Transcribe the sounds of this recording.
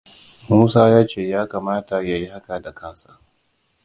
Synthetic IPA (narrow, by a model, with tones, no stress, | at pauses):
muː˦saː˦jaː˦t͡ʃeː˦˨jaː˦kaː˨maː˦ta˨ja˨ji˦ha˦ka˨da˨kaː˦saː˦